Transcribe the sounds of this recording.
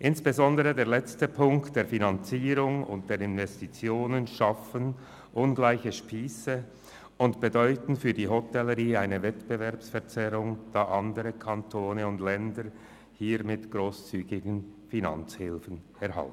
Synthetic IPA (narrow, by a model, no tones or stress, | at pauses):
ʔɪnsb̥ezɔndəʁədeːɐlɛt͡stəpʰʊŋktd̥eːɐfinant͡siːʁʊŋʊ̰ntd̥eːɐʁɪnvɛstit͡sjoːnənʃafən | ʔʊnɡlaɪçəʃpiːsə | ʊntb̥edɔʏtn̩fyːɐdiːɦɔtɛləʁiːaɪnəvɛtb̥əvɛʁpsfɛɐt͡sɛʁʊŋd̥aːʔɑndəʁəkʰɑntʰoːnəʊndlɛndəɾ | hiːɾmɪtɡ̥ʁoːst͡syːɡɪɡən̩fina̰nt͡shɪlfən̩ | ɛɐha̰l̩